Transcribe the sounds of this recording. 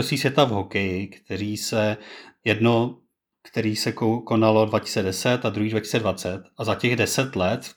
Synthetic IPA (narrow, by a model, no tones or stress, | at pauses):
osiːsvjɛt̪avɦokɛjɪkt̪ɛɾiːsɛjɛdno | kt̪ɛɾiːsɛkokonalo̞dvacɪ̥sɛdɛsɛt̪ad̪ɾuɦiːdvacɪ̥sɛdvat͡sɛt̪azacɛɣdɛsɛt̪lɛt̪